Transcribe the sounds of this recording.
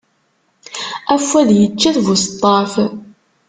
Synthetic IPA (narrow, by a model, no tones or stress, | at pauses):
æfːæðjət͡ʃːiθvust̪ˤːɑf